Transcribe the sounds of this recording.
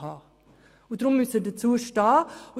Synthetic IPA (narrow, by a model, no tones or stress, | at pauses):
ɑː | ʊdɾʊmːʏsədət͡suːʃtɑːʊ